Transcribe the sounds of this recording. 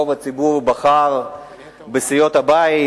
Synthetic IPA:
ovat͡sibuʁbaχaʁ | besijo̞t̪abai

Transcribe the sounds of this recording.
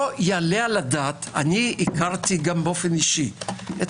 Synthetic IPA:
ojalealadaːt̪aniikaʁtiɡambeofeniʃiet

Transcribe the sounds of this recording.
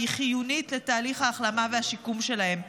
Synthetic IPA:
iχijunitle̞taːliχhaːχlamavehaʃikumʃe̞lahe̞m

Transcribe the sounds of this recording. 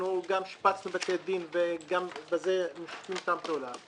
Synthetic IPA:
uɡamʃi̥pat͡snubet̪ed̪inveɡambezemiʃtimt̪amt̪eulam

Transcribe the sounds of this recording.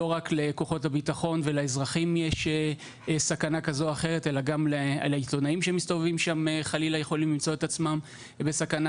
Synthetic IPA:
o̞ʁakle̞ko̞χo̞thabitaχo̞nve̞laezʁaχimjeʃe | sakanakazoaχe̞ʁete̞laɡamlelaito̞naimʃemist̪ovevimʃameχalilajeχo̞limlimt͡so̞et̪at͡smam | besakana

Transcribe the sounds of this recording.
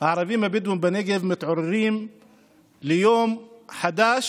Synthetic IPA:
aʕɾˤɑfiːmabid̪wumbaneɡɪvmɪt̪ʕʊriːm | lɪjoːmħad̪aːʃ

